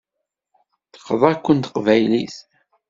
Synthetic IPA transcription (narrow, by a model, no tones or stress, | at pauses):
θə̥qːðˤækʷːənt̪əqvæjliθ